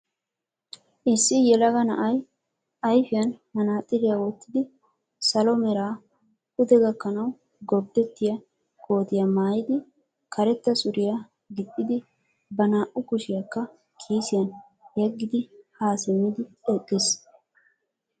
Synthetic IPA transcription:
ʔɪsːɪjɛlɐɡɐnɐ̰ʔɐj | ʔɐjfɪjɐnhɐnaːt̪ʼːɪɾɪjawɔt̪ːɪd̪ɪ | sɐlɔmɛɾaː | hʊd̪ɛɡɐkːɐnɐw | ɡɔb̚d̪ɛt̪ːɪjɐ | kʰo̞ːt̪ɪjɐmaːjɪd̪ɪ | kʰɐɾɛt̪ːɐsʊɾɪjɐ | ɡɪtʼːɪd̪ɪ | bɐnaːʔʊkʊʃɪjɐkːɐ | kʰiːsɪjɐn | jɛɡːɪd̪ɪhaːsɪmːɪd̪ɪɛkʼːɪs

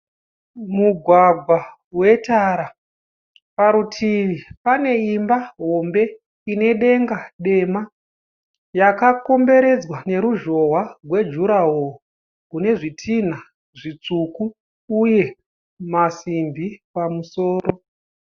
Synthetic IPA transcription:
muɡʱwaɡʱwa | we̞taɾa | paɾutʰiʋipane̞imbaɦo̞mbe̞ | ine̞ɗe̞ŋɡaɗe̞ma | jakako̞mbe̞ɾe̞d͡zwane̞ɾuʒo̞ɦwarwe̞d͡ʒuɾaɦo | kune̞ʐitʰina | ʐit͡sukuː | je̞ | masimbʱipamuso̞ːɾo̞

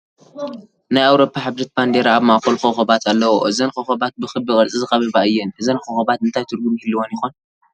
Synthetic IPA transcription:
najawɾo̞pʰːaħabɾɨt̪̚band̪eɾaːβmaʔkʰolxoxɐbat̪ʰalːɐwoʔɨzɐnkɐxɐbat̪̚bɨxɨbɨkʼɐlt͡sʼizɨxʼɐβɐβaʔɨjːɛnʔɨzɐnxoxɐbat̪ɨnt̪ʰajt̪ʰɨɾɡumhilːiwonjɪxon

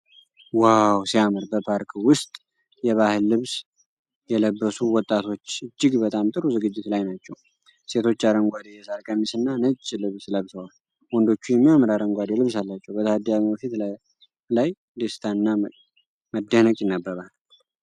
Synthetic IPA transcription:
wawsijamɨɾbəpʰaɾkʰwʊst̪ʼ | jɛβahɨlːɨβs | jɛləbːəsuwɔt̪ʼːat̪ʰo̞t͡ʃːɨd͡ʒːɪɡbət̪ʼamt̪ʼɨɾuzɨɡɨd͡ʒːɪt̪lajnat͡ʃːɛw | se̞t̪ʰo̞t͡ʃːaɾəŋɡʷad̪ejɛsaɾkʼəmisɨnːanət͡ʃʼːlɨβsləβsəwal | wɔnd̪o̞t͡ʃːujɛmːijamɨɾaɾəŋɡʷad̪elɨβsalːat͡ʃːɛwbət̪ʰəhad̪ijambəfit̪ | laj | d̪est̪ʰaɨnːa | məd̪ːəhnəkʼjɪnːəbːəɾal

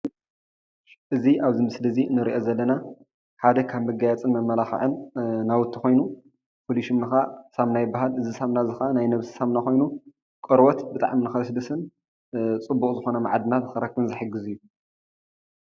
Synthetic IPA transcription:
ʔɨziʔaβzimɨslɐzinɨɾiʔo̞zɐlːɐna | ħad̪ɐkʰaβmɨɡajat͡sʼɨnmɐmːɐlaxɨ̰ʕɨnnawʊt̪ʰːixo̞jnu | pʰoliʃumnɨxasaβnajbaɦalɨzisamnazɨxanajnɐβsɨ̥samnaxo̞jnu | kʼɐɾwot̪bɨt̪ʼa̰ʕminɨxɐsɨd̪ɐsɨn | t͡sʼɨbːukʼzɨxo̞nɐma̰ʕad̪ɨnat̪ɨxɨɾɐkːβɨnzɨħɨɡːɨzɨjːu

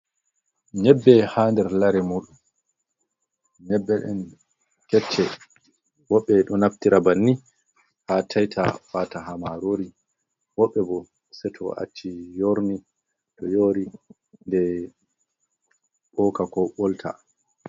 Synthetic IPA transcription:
ɲɛbːɛhaːndɛɾlaɾɛmuɗum | ɲɛbːɛɗɛ̰n | kɛt͡ʃːɛ | wɔɓːɛɗɔnaftiɾabanːi | hatʰajtʰa̰fataɦamaɾoɾi | wɔɓːɛbɔ | sɛtʰɔʔa̰t͡ʃːijoɾni | tɔjoːɾi | ndɛ | ɓɔːkakɔɓɔltʰa̰

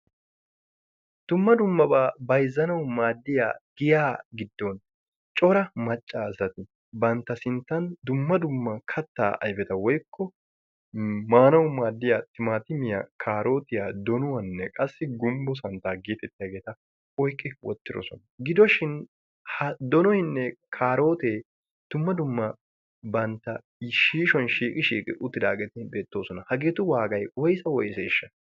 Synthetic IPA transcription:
d̪̥ʊmːɐd̪ʊmːɐbaːbɐjzːɐnɐwmaːd̪ːɪja̰ːɡ̥ɪjaːɡɪd̪ːɔn | t͡ʃʼɔɾɐmɐt͡ʃʼːaːzɐt̪ɪ | bɐnt̪ːɐsɪnt̪ːɐnd̪ʊmːɐd̪ʊmːɐkʰɐt̪ːa̰ːʔɐ̰jfɛt̪ɐwɔjkʰːɔ | maːnɐwmaːd̪ːɪjaːt̪ːɪmaːt̪ɪmɪja̰kʰaːɾo̞ːt̪ɪjaːd̪ɔnʊwɐnːɛkʼɐsːɪɡʊmbɔs̬ɐnt̪aːɡeːt̪ɛt̪ːɪjaɡeːt̪ɐ | ɔjkʼːɪwɔ̰t̪ːɪɾɔ̰sɔ̰nɐɡɪd̪ɔʃɪn | hɐd̪ɔnɔhɪnːɛkʰaːɾo̞ːt̪eː | d̪̥ʊmːɐd̪ʊmːɐ | bɐnt̪ːɐ | ʃiːʃɔnʃiːkʼɪʃiːkʼɪ̰ʔʊt̪ːɪd̪aːɡɛt̪ɪbe̞ːt̪ːo̞ːsɔnɐhɐɡe̞ːt̪ʊwaːɡɐjwɔjsɐwɔjseːʃːɐ

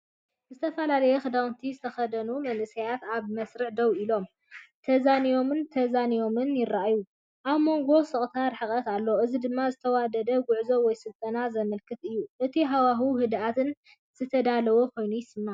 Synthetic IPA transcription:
zɨt̪ʰɐfɐlalɐjɛxɨd̪awnt̪ʰizɨt̪ʰɐxɐd̪ɐnumɐnʔɨsɐjat̪aβmɐsɾɨʕd̪ɐwilo̞m | t̪ʰɐzanijo̞mɨnt̪ʰɐzanijo̞mɨnjɪraʔaju | ʔaβmo̞ŋɡo̞sɨχʼt̪ʰaɾħɨkʼɐt̪alːoʔɨzid̪ɨmːazɨt̪ʰɐwad̪ɐd̪ɐɡʊʕzowɔjsɨlt̪ʼɐnazɐmɐlkʰɨt̪ɨjːuʔɨt̪ʰiɦawaɦuɦɨd̪at̪ʰɨn | z̥ɨt̪ʰɐd̪alɐwokʰo̞jnujɪsɨmːa

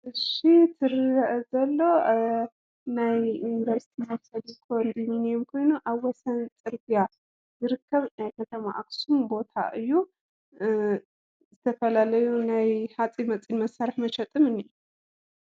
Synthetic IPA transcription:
ʔɨʃit̪ʰɨɾɨɐʔzɐlːo̞ | najinvɐɾsi̥t̪ʰimɐfsɐd̪ikʰond̪iminomkʰo̞jnuʔaβwɔsɐnt͡sʼɨɾbija | zɨɾɨkːɐβnajkʰɐt̪ʰɐma̰ʔaksumbo̞t̪ʰa̰ʔɨjːu | zɨt̪ʰɐfɐlalɐjunajħat͡sʼimɐt͡sʼinmɐsaɾɨħmɐʃɐt̪ʼɨmɨnɨjːu

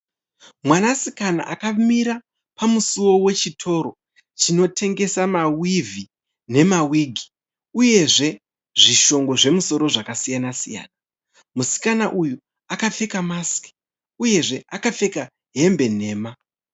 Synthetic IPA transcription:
mwanasikana̰ʔakamiɾa | pamusuwo̞we̞t͡ʃitʰo̞ɾo̞ | t͡ʃino̞tʰe̞ŋɡe̞samawivʱi | ne̞mawiːɡʱi̥ | uje̞ʐe̞ | ʐiʃo̞ŋɡo̞ʐe̞muso̞ɾo̞ʐakasijanasija̰ːna | musi̥kanaʔuju | akafe̞kamaski̥ | uje̞ʐe̞akafe̞ka | ɦe̞mbe̞ne̞ːma

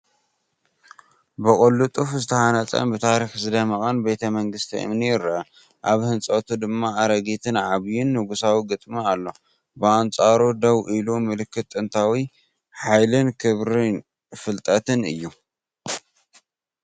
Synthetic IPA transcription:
bɨkʼolːut̪ʼufzɨt̪ʰɐhanɐt͡sʼɐ̰nbɨt̪ʰaɾixzɨd̪ɐmɐχʼɐnbe̞t̪ʰɐmɐŋɡɨst̪ʰḭʔɨ̰mnijɪɾɐʔɐ | ʔaβhɨnt͡sʼɐt̪ʰud̪ɨmːaːɾɐɡit̪ʰɨnʕaβjɪnːɨɡusawiɡɨt̪ʼmialːo̞ | bɨant͡sʼaɾud̪ɐwʔilumɨlɨkʰːɨt̪ʼːɨnt̪ʰawi | ħajlɨnkʰɨβɾɨn | fɨlt̪ʼɐt̪ʰɨnɨ̰jːu

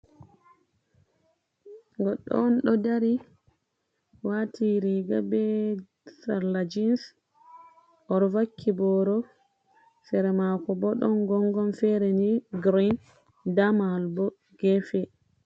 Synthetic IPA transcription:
ɡɔɗːɔ̰nɗɔdaɾi | watʰiɾiɡabɛ | saɾlad͡ʒins | ʔɔɾvakʰːibɔɾɔ | fɛɾɛmakɔbɔɗɔnɡɔŋɡɔnfɛɾɛniɡɾin | damalbɔ | ɡ̥ɛfɛ

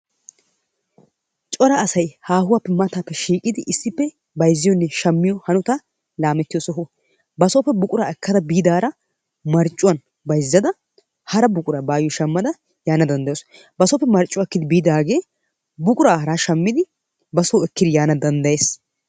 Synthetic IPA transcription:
t͡ʃʼɔɾaɐsɐjhaːhʊwaːpːɪmːat̪aːpːɛʃiːkʼɪd̪ɪʔɪsːɪpːɛ | bɐjzːɪjɔnːɛʃɐmːɪjɔhɐnʊt̪ɐ | laːmɛt̪ːɪjoːsɔɦɔ | bɐsoːpːɛbʊkʼʊɾaːɛkːɐd̪ɐbiːd̪aːɾɐ | mɐɾt͡ʃʼːʊwɐn | bɐjzːɐd̪ɐ | hɐɾɐbʊkʼʊɾabaːjɪjɔʃɐmːɐd̪ɐ | jaːnɐd̪ɐnd̪ɐjoːs | bɐsɔːpːɛmɐɾt͡ʃʼːʊwaːkːɪd̪ɪbiːd̪aːɡe̞ː | bʊkʼʊɾaːɦɐɾaːʃɐmːɪd̪ɪ | bɐsoːɛkːɪd̪ɪjaːnɐd̪ɐnd̪ɐjeːs

